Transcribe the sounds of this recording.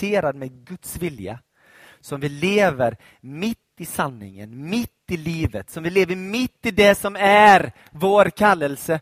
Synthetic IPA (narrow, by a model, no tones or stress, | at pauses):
eːɾad̪mɛd̪ɡɵt̪svɪlja̰ | sɔmvɪleːvəɾ | mɪt̪ːɪsanːɪ̰ŋə̰nmɪt̪ːɪliːvət̪sɔmvɪleːvəɾmɪt̪ːɪd̪ɛsɔmæɾ | voːɾkʰalːəlsə